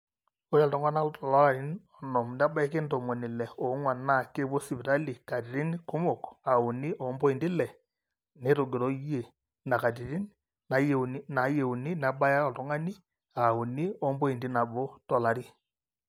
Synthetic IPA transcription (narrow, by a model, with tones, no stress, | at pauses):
o˦ɾa˨ltɔ˨ŋwa˦na˦tɔ˨la˦a˨ɾi˦nɔ˨nɔ˨m˨nda˦ba˦e˦ke˦ntɔ˨mɔ˨ni˨lɛ˨ɔ˨˦ŋwa˨na˦˨ke˦bo˦si˨bi˨ɾa˦li˨ka˨ti˨ɾi˦n˦ko˦mo˨ka˨u˨ni˦ʔɔ˨mbɔ˦i˨ndi˦lɛ˨ | ne˨˦ɾo˨ɡe˨ɾɔ˦je˨ | na˨ka˨ti˨ɾi˦n | na˨˦je˨n˦na˨˦je˨u˨ni˦n˨a˨˦ba˦ja˦ɔ˨tɔ˨ŋa˦ni˦ | a˨u˨ni˦ɔ˦mbɔ˦i˨ndi˦na˨bo˦tɔ˨la˨˦ɾi˦